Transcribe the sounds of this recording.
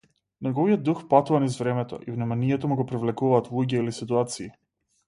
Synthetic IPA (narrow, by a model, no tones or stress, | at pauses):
nɛɡɔvijɔd̪ːuxpat̪uvanizvɾɛmɛt̪ɔ̰ʔivnɛmanijɛt̪ɔmuɡɔpɾivlɛkuvaːt̪lˠuɟɛilisit̪uat̪siː